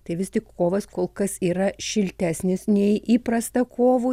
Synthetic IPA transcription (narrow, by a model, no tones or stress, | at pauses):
t̪ɐɪʋʲɪst̪ʲɪkkoːʋɐskoːlˠkɐsiːɾɐʃʲɪlʲt̪ʲæːsʲnʲɪsnʲɛɪʔiːpɾɐst̪ɐkʰoːʋuː